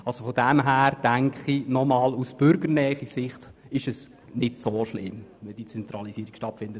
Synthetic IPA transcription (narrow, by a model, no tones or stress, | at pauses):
ʔɑlsofodɛmɦæːɾd̥æŋkχinɔmɑːlusb̥ʏɾɡəɾnɛːχisɪχt | ɪʃɛs | nɪdsoːʃlɪ̰mʋɛld̥it͡sɛnt̪ɾɑlisiəɾikʃtɑtfɪndə